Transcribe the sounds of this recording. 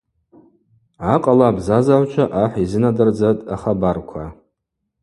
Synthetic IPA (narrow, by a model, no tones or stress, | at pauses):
aqʼalabzazaʕʷt͡ʃʷʰaʔaħʷizɨnadɨrd͡zatʼaχabarkʷʰa